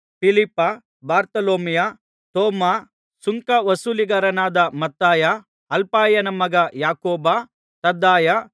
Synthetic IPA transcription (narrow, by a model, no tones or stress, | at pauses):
pilipːɐ | baːɾt̪ɐloːmija | t̪oːmaː | suŋkɐʋɐsuːliɡɐɾɐnaːd̪ɐmɐt̪ːaːja | ɐlpaːjɐnɐmɐɡɐjaːkoːba | t̪ɐd̪ːaːja